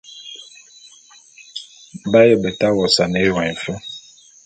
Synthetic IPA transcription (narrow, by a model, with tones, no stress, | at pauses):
ba˦jə˨bə˨ta˦wɔ˨sa˨ne˦˨wa˨i˨ɱ˨fə˦